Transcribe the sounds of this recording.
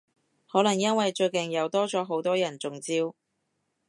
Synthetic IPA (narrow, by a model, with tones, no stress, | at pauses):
hɔː˨˥lɐ˨˩ŋjɐ˥nwɐ˨jt͡ʃɵ˧ɥkɪ˨˩ŋjɐ˨˧wt̪ɔː˥t͡sɔː˨˥ɦo˨˥wt̪ɔː˥jɐ˨˩nt͡sʊ˨ŋt͡siː˧˥w